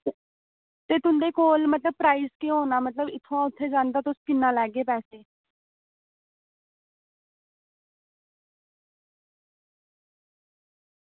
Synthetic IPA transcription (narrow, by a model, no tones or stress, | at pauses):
t̪et̪ʊ̃nd̪ekoːlmət̪ləb̚pɾaːizkẽɦoːnamət̪ləbɪt̪ʰʋãʊt̪ʰːed͡ʒãːnd̪at̪oskɪnːalaːɡeːpɛːseː